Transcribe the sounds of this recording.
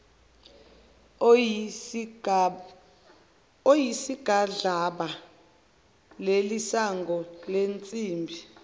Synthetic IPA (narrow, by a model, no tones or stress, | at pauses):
ojisiɡ̥ʱaɮaɓa | lelisaŋɡʱɔlent͡sʼiːmbʱi